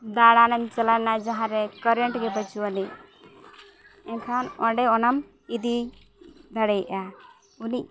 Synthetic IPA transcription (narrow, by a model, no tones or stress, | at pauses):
d̪aɽanamt͡ʃalanad͡ʒaɦãɾɛkəɾɛɳʈɡɛbət͡ʃuwani | ɛnkʰanɔɖɛɔnam | id̪i | d̪ʱaɽɛjʔa | uniʔ